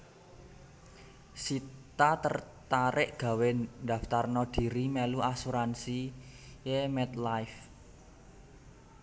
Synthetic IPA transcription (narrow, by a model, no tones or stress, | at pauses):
sit̪at̪ərt̪aɾɪʔɡ̥a̤wed̥a̤ft̪arnɔd̪̥i̤ɾimɛluasuɾansijemɛt̪lajf